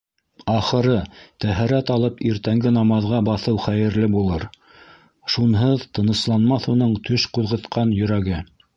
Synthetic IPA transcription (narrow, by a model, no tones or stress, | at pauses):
ɑχɤ̆ɾɤt̪æɦæɾæt̪ɑlˠɤpiɾt̪æŋɡɘnɑmɑðʁɑbɑθɤwχæjɘ̆ɾlɘbulˠɤɾ | ʃunɦɤðt̪ɤ̆nɤ̆slˠɑnmɑθun̪ɤɴt̪ʰɵʃquðʁɤ̆t̪qɑnjɵ̆ɾæɡɘ